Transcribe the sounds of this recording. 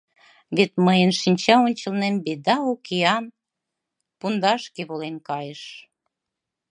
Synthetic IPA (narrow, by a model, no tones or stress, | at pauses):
βet̪məjənʃinʲt͡ɕɑonʲt͡ɕə̆lnembed̪ɑokeɑn | pund̪ɑʃkeβolenkɑjəʃ